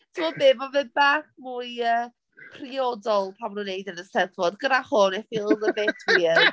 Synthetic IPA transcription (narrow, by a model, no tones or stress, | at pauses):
tʰɪmɔbeːvɔvɨbaχmujəː | pʰriɔdɔlˠpʰamnunejdənəsɛdvɔdɡədaχʊnɛfilˠðəbetʰwiən